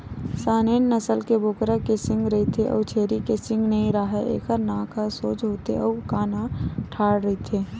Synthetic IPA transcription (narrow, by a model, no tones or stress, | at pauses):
saːnenːəsəlkeboːkɾakesɪ̃ŋɡɾəɦit̪ʰeʔɔ̰ːt͡ʃʰeːɾikesɪ̃ŋɡnəɦĩɾaɦɛʔḛːkʰəɾnãːkʰasoːt͡ʃɦoːt̪eʔɔːkaːnaʈʰaːɽɾəɦit̪ʰeː